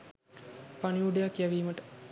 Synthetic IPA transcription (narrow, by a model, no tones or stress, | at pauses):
paniuɖejakjæʋiːməʈə̥